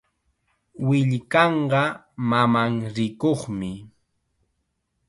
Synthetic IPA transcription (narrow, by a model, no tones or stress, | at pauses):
wɪʎkɑɴɢɑ | mamaŋɾɪkoχmɪ